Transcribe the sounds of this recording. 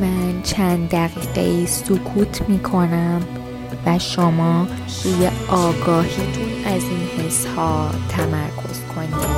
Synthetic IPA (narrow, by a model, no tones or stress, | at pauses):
mænt͡ʃʰænd̪d̪æɣiːɣḛiːsokʰuːt̪ʰmiːkʰo̞næm | væʃomɒː | ɾujeʔɒːɡɒːhiːt̪ʰunæziːnhe̞shɒːt̪ʰæmæɾkʰo̞̰z̥kʰo̞ni